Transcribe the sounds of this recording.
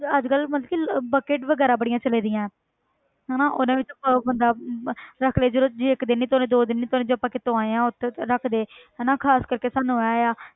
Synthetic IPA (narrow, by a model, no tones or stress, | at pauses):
əd͡ʒkəlmət̪ləkibəkeːʈʋəɡɛːɾaːbəɽijãːt͡ʃəleːd̪ɪjãːɛ̃ː | ɦɛːnaːʔo̰ːnãːʋɪt͡ʃəpãbənd̪aːɾəkʰleːd͡ʒəɾod͡ʒiːɪkd̪ɪnːiːt̪ːnẽːd̪oːd̪ɪnːiːt̪onẽːd͡ʒoːəpːãːkɪt̪oãːẽːãːʊt̪ʰːɾəkʰd̪eːɦɛːnãːkʰaːskəɾkeːsaːnũːɦjaːjaː